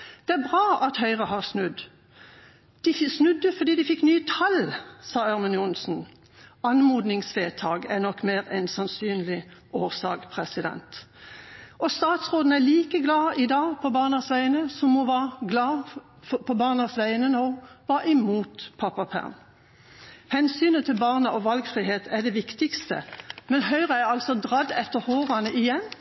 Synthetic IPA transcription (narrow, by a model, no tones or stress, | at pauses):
d̪̥ɛæɾbʁɑːʔɑt̪hœʏʁəhɑʁsnʉd̪ | d̪̥ɪsnʉd̪ːəfɔʁd̪iːd̪ɪfɪkːnyːt̪ʰɑlsɑːæʁmənjʊnsn̩ | ɑnmuːd̪nɪŋsʋeːt̪ʰɑːɡænɔkːmeːʁɛnsɑnsyːnlɪoːʁsɑːɡpʰʁɛsɪd̪ɛ̰nt̪ | ɔst̪ɑːt̪sʁoːd̪n̩æliːkəɡlɑːɪd̪ɑːɡpʰɔbɑːʁnɑsʋæɪənəsɔmːɔʋɑːɡlɑː | fɔpʰɔbɑːʁnɑsʋæɪənənoːʋɑːʔɪmuːt̪pʰɑpɑpʰæ̰ʁm | hɛnsyːnət̪ʰɪlbɑːʁnəʔɔʋɑlɡfʁiːheːt̪æd̪ɛʋɪkt̪ɪkst̪ə̰mɛnɦœʏʁəæɑlsɔd̪ʁɑd̪ɛt̪ːəhoːʁɑnəʔɪjɛnː